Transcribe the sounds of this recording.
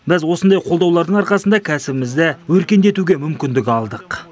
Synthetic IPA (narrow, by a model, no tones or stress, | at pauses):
bɪzwo̞sənd̪ɑjqʰo̞ld̪ɑwlˠɑɾd̪əɴɑɾqɑsənd̪ɑkʲʰæsɪbɪmɪzd̪ɪwɵɾkʲe̞nd̪e̞t̪uɡʲe̞mʏmkʲɪnd̪ɪkɑlˠd̪əq